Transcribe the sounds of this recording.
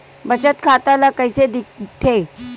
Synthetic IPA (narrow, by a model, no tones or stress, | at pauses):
bət͡ɕət̪kʰat̪alakəjsed̪ikʈʰe